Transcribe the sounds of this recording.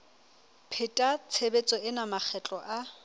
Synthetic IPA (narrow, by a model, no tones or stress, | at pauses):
pʰɪtʼat͡sʰebet͡sʼɔɪnamak͡xʰɛt͡ɬʼɔʔa